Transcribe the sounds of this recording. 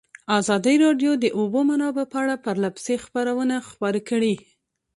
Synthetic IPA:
azɑd̪əɾɑɖjod̪əʔobomanɑbəpəaɽapəɾlabsexpaɾawənaxpɑɾekəɽi

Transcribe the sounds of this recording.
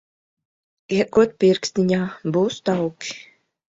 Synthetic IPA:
iɛkuɔt̪̚pʲiɾkst̪ʲiɲaːbuːst̪awki̥

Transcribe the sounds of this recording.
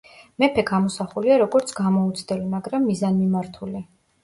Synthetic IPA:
mɛpʰɛɡamɔsaχuliaɾɔɡɔɾt̪sʰɡamɔut̪sʰd̪ɛlimaɡɾamːizanmimaɾt̪ʰuli

